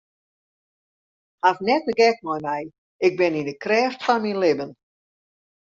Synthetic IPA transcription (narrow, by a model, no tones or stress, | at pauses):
hafnɛtəɡɛk̚mɔjmɛj | ɪk̚bɪnindəkrɛːftfɔnminlɪbən